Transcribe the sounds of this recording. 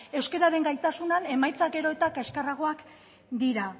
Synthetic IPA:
e̞wske̞ɾaɾe̞ŋɡajt̪asunane̞majt͡saɡe̞ɾo̞e̞t̪akaʃkaraɣ̞o̞ak | d̪iɾa

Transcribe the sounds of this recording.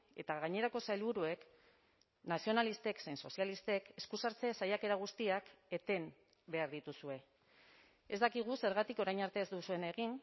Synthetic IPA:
e̞t̪aɣ̞aɲe̞ɾako̞sajlβuɾue̞k | nasio̞nalist̪e̞ksenso̞sialist̪e̞ke̞skusaɾt͡sesajake̞ɾaɣ̞ust̪iake̞t̪e̞m | be̞aɾðit̪usue̞ | e̞zd̪akiɣ̞use̞ɾɣat̪iko̞ɾajɲaɾt̪e̞zd̪usue̞ne̞ɣ̞in

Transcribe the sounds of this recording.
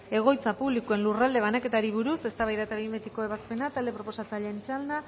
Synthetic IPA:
e̞ɣ̞o̞jt͡sapuβlikue̞nlurald̪e̞β̞anake̞t̪aɾiβ̞uɾuse̞st̪aβajðat̪aimbet̪iko̞e̞β̞aspe̞nat̪ald̪e̞pɾo̞po̞sat͡saʎeːnt͡ʃald̪a

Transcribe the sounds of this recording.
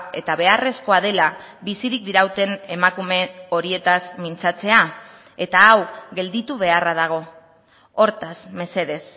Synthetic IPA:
e̞t̪aβe̞are̞sko̞að̞e̞labisiɾik̚d̪iɾawt̪e̞ne̞makume̞o̞ɾie̞t̪azmint͡sat͡se̞a | e̞t̪aːwɣe̞ld̪it̪uβ̞e̞araðaɣ̞o̞ | o̞ɾt̪azme̞se̞ðe̞s

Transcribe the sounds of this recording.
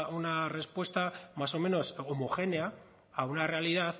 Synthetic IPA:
unare̞spwe̞st̪amaso̞me̞no̞somoxe̞ne̞a | aunare̞aliðaθ

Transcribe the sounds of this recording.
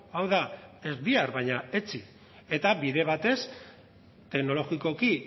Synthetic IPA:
awðae̞zβiaɾβajɲaet͡si | e̞t̪aβiðe̞β̞at̪e̞s | t̪e̞kno̞lo̞ɣiko̞ki

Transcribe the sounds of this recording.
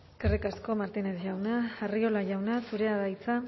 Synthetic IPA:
eskerikasko̞maɾt̪ine̞sʝawnaːrio̞laʝawnasuɾe̞aðajt͡sa

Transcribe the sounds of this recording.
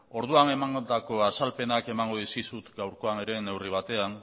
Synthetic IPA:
o̞ɾðuane̞maŋɡot̪ako̞asalpe̞nake̞maŋɡo̞ðiskisut̪ɡawɾko̞ane̞ɾe̞ne̞wriβ̞at̪e̞an

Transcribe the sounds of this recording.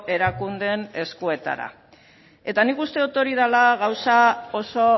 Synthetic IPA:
e̞ɾakund̪e̞ne̞skue̞t̪a̰ɾa̰ | e̞t̪anikust̪e̞ðut̪o̞ɾið̞alaɣawsao̞so

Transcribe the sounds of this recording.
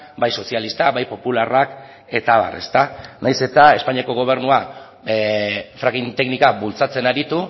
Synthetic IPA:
bajso̞sialist̪abajpo̞pularak | e̞t̪aβa̰re̞̰st̪anajse̞t̪ae̞spaɲiako̞ɣ̞o̞β̞e̞ɾnua | fɾaɣint̪e̞knikaβult͡sat͡se̞naɾit̪u

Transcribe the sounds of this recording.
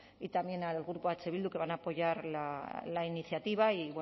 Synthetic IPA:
it̪amje̞nalɣɾupoat͡ʃe̞βild̪uke̞βanaːpo̞ʝaɾlalainiθjat̪iβaiβwe

